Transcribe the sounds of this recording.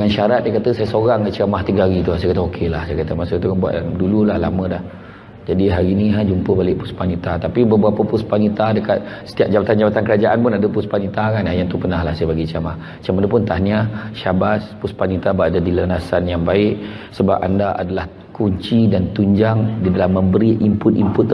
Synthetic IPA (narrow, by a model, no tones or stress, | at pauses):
dəŋanʃaɾat̪̚dakat̪əsajasoɾaŋat͡ʃamaht̪əɡaɾit̪usajkat̪əokʰelahsajakat̪əmasəkat̪ukabua̰ʔdululahla̰mə̃dah | d͡ʒadiɦaɾinĩɦad͡ʒumpəbalɪʔpuspanit̪at̪apibəbɾapəpuspanit̪adəkat̪̚sə̥t̪iap̚d͡ʒabat̪and͡ʒabat̪ankəɾad͡ʒaʔanpʊnadəpuspanit̪akanajaŋt̪upənahlahsajbaɡit͡ʃamah | t͡ʃamad̪up̬ʊnt̪ahɲaʃabaspuspanit̪abaʔdadilanasanjaŋbaɪʔ | səbap̚ʔa̰ndaʔa̰dalah | kuɲt͡ʃidant̪uɲd͡ʒaŋdidalamːə̃mbəɾiʔimpʊt̪̚ḭmpʊt̪̚ː